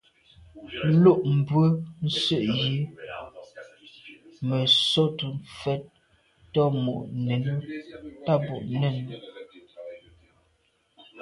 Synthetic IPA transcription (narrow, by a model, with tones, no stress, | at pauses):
lo˦˨ʔm̩˨bwə˦n̩˦sə˦˨ʔji˦ | mə˨so˦tu˨mfɛ˦t̚ | tɔ˦mo̰˨ʔne˨nə˦ta˦bo̰˨ʔnɛ˦˨n˨